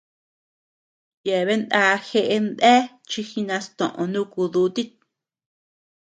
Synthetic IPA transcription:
je˨βe˦nd̪a˧xe˧ʔe˧nd̪e˦ | t͡ʃi˧xi˧nã˧st̪õ̰˨ʔõ˨nũ˦ku˧ðu˧t̪i˦t̪̚

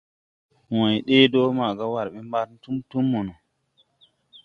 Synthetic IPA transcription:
wɔ̃˨jɗeː˦dɔ˦ma˨ɡa˦wa˨ɾɓɛ˦mba˦ɾn˦tu˦mtu˦mːu˨nɔ˨

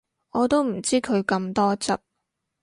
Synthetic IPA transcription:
ʔɔː˨˧t̪o˥wm̩˨˩t͡siː˥kʰɵ˨˧ɥkɐ˧mt̪ɔː˥t͡sɐ˥p̚

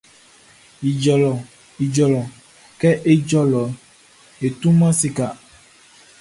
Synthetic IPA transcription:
i˨d͡ʒɔ˨lɔ˨ | i˨d͡ʒɔ˨lɔ˨ | kɛ˦ʔe˦d͡ʒɔ˦lɔ˨ | e˨t̪ũ˦mã˦si˨ka˨

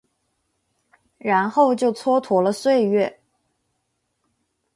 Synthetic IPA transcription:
ɻa˧˥nxo˥˧ʊt͡ɕjo˥˩ʊt͡sʰwɔ˥t̪ʰwɔ˧˥lə˧swe˥˧ɪɥɛ˥˩

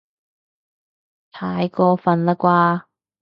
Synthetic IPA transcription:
t̪ʰaː˨˧˥jkɔː˧fɐ˧nla˧kʷwaː˧

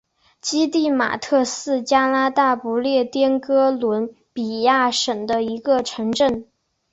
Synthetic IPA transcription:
t͡ɕi˥t̪i˥˩ma̰˨˩t̪ʰɤ˥˧sɹ̩˥˩t͡ɕja˥la˥t̪a˥˩pu˧˥ljɛ˥˩t̪jɛ˥nkɤ˥lwə˧˥n | pi˨˩ja˥˩ʂə˨˩ŋd̪ə˦i˧˥ɡə˧ʈ͡ʂʰɤ˧˥ŋʈ͡ʂə˥˩n

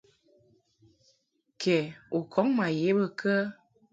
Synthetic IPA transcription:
kʰɛ˨o˨kʰɔ˨˦ŋma˨je˨˦bə˦kʰə˦

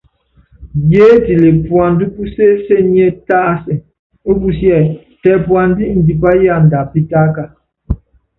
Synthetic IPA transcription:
je˦ti˨le˨pwa˨n˦du˦pu˦se˦se˦ɲ˦e˦ta˦sɛ˨ | o˦pu˦sjɛ˦˨ | tɛ˨pwa˨n˦di˦n̩˨di˨pa˦jɛ˦a˦˨n̩˨da˨pi˦ta˦ka˦

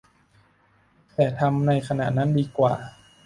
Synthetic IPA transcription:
t̪ɛː˨˩t̪ʰa˧mna˧jkʰa˧na̰˨˩ʔna˦˥ndiː˧kwaː˨˩

